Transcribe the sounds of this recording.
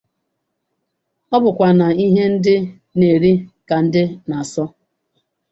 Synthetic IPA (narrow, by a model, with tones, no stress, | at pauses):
ɔ˦bʊ˨kʷa˨na˨i˦ɦe˦n̩˦dɪ˦ | ne˨ɾi˦ka˨n̩˦dɪ˦na˨a˨sɔ˦